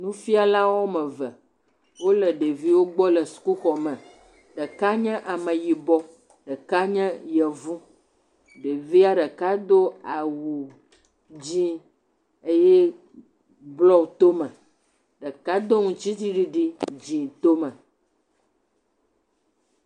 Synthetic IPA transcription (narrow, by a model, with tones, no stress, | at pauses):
nũ˦fi˦a˨la˦wo˦mɛ̃˨və˨ | wo˦lə˨ɖe˨vi˦wo˦ɡ͡bɔ˦lə˨su̥˨ku˦xɔ˨mɛ̃˨ | ɖə˨ka˦ɲɛ̃˦ʔa˨mɛ̃˨ji˨bɔ˦ | ɖə˨ka˦ɲɛ̃˦jɛ˨vũ˦ | ɖe˨vi˦a˦ɖə˨ka˦d̪o˦a˨wu˨ | d͡ʑĩ˦ | e˦jɛ˦ | blɔ˦t̪o˦mɛ̃˨ | ɖə˨ka˦d̪o˦ŋũ˨t͡ɕi˦t̪i˦ɖi˦ɖi˦d͡ʑĩ˨t̪o˦mɛ̃˨